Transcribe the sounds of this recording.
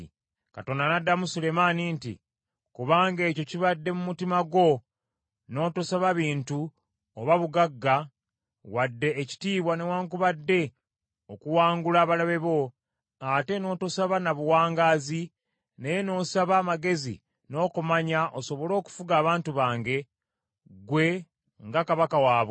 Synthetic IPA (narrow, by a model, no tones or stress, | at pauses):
kato̞ːndanadːamusule̞manintḭ | kuβaːŋɡe̞ːco̞ciβadːe̞mumutimaɡo̞ | no̞ːtosaβaβiːntu | oβaβuɡaɡːa | wadːe̞ːci̥tiːβwane̞waːŋkuβadːe̞ | okuwaːŋɡulaːβalaβe̞βo̞ | ate̞no̞ːtosaβanaβuwaːŋɡaːzi | nejeno̞ːsaβaːmaɡe̞zḭ | no̞ːkumaɲaʔoso̞βo̞lo̞ːku̥fuɡaːβaːntuβaːŋɡe̞ | ɡwe̞ | ŋɡakaβakawaːβo